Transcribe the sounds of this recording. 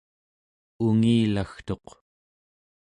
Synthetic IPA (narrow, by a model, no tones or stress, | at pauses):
uŋiːlaxt̪o̞q